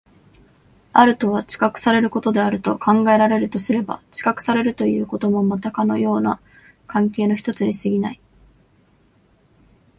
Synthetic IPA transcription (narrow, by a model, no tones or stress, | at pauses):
aɾɯ̟t̪o̞β̞at͡ɕi̥kakɯ̟̥saɾe̞ɾɯ̟ko̞t̪o̞d̪e̞aɾɯ̟t̪o̞kʰãŋɡae̞ɾaɾe̞ɾɯ̟t̪o̞sɨɾe̞ba̰t͡ɕi̥kakɯ̟̥saɾe̞ɾɯ̟t̪o̞jɯ̟ːko̞t̪omo̞mat̪akano̞̰jo̞ːna | kãŋke̞ːno̞çi̥t̪o̞t͡sɨɲ̟isɨɡʲinai